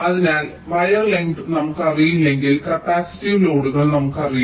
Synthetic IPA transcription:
ɐðinaːl | ʋɐjɐrleŋɖnɐmukːɐrijilːe̞ŋɡilkɐpːaːsi̥tːiʋlo̞ːɽuɣɐɭnɐmukːɨɐrij

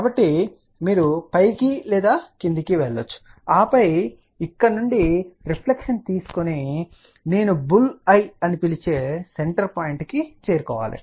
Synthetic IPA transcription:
kaːbɐʈːi | miːɾupɐjkilɛːd̪aːkind̪ikiʋɛɭːot͡ʃːu̥aːpɐj | ikːɐnuɳɖiɾipʰlekʂɐnt̪iːsu̥koneː | ne̞ːnubulɐjɐnipilit͡ʃe̞ːseɳʈɐɾpaːjiɳʈkit͡ʃe̞ːɾukɔːʋa̰ːlḭ

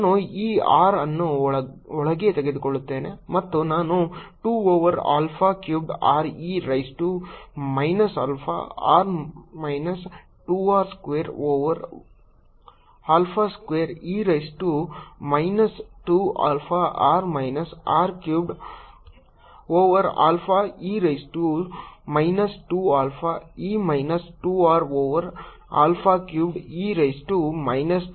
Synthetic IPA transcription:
aːnuiːaːɾɐnːuɔɭɐɡet̪eɡed̪ukoɭːut̪ːeːnemɐt̪ːunaːnuʈuːoːʋɐɾa̰ːlpʰaːkjuːbɖaːɾiːɾɐjsʈumɐjnɐsa̰ːlpʰa̰ːa̰ːɾmɐjnɐs | ʈuːaːɾskʋeːɾoːʋɐɾ | aːlpʰaːskʋeːɾiːɾɐjsʈumɐjnɐsʈua̰ːlfʰaʔaːɾmɐjnɐsaːɾkjuːbɖ | oːʋɐɾa̰ːlfʰaːiːɾɐjsʈumɐjnɐsʈuaːlfʰaːiːmɐjnɐsʈuaːɾoːʋɐɾ | a̰ːlfʰaːkjuːbɖiːɾɐjsʈumɐjnɐs

